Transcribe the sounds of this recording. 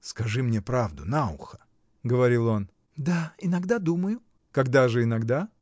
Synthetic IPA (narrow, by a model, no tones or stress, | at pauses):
skɐʐɨmnʲepɾavd̪ʊ̰naʊ̰xə̥ | ɡəvɐɾʲilˠo̞n | d̪aɪnɐɡd̪ad̪uməjʊ | kɐɡd̪aʐɨɪnɐɡd̪a